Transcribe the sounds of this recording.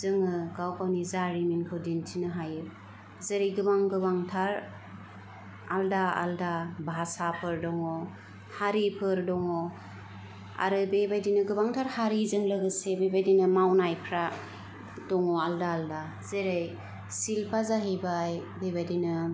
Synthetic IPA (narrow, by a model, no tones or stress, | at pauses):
zɯŋɯɡawpʰawnizaɾiminkʰɯwdintʰinɯɦajɯ | zeɾɯjɡɯbaŋɡɯbaŋtʰaɾ | aldaa̰ldabʱasapʰɯɾdɔŋɔ | haɾipʰɯɾdɔŋɔ | a̰ɾɯbebajdinɯɡɯbaŋtʰaɾhaɾizɯŋlɯɡɯsebebajdinɯmawnajpʰɾa | dɔŋɔaldaːlda | zeɾej | silpʰazaɦejbajbebajdinɯ